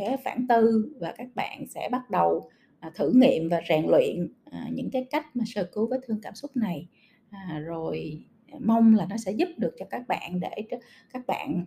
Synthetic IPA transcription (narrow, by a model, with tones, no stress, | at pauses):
sɛ̰˧˥faː˧˩nt̪ɨ˧vaː˨˩kaː˦˥k̚ɓa̰ː˧˨nsɛ̰˧˥ɓa˦˥t̚ɗə˨˩w | t̪ʰɨ˧˩ŋḭ˧˨əmvaː˨˩zɛː˨˩ŋlwḭ˧˨ənː˨˩ɲɨ̰˧˥ŋkaː˨˦jka˦˥jk̟̚maː˨˩səː˧˨˩ku˨˧˦vəː˨˦jt̪ʰɨ˧əŋkaː˧˩msʊ˦˥t̚na˨˩j | ʔzo˨˩j | ma˧wŋ͡mlaː˨˩nɔ˨˦sɛ̰˧˥zu˦˥p̚ɗɨ˨˩ək̚t͡ɕɔ˧kaː˦˥k̚ɓa̰ː˧˨nɗe˧˩ | kaː˦˥k̚ɓa̰ː˧˨n